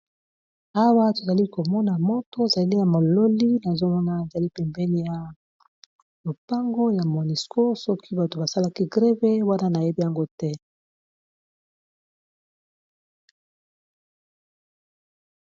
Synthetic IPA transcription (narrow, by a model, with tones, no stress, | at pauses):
a˦wa˦to˨za˨li˦ko˨mɔ˦na˨mo˦to˦e˨za˨li˦ja˨mo˨lo˦li˦na˨zo˦mɔ˦na˦˨e˨za˨li˦pɛ˨mbɛ˦ni˦ja˨ | lo˨pa˦ŋɡo˦ja˨mo˨ni˨skʰo˦sɔ˦kʰi˦ba˨to˨ba˨sa˦la˦ki˦ɡʁe˦ve˦wa˦na˦na˨je˦bi˦ja˨ŋɡo˦tɛ˦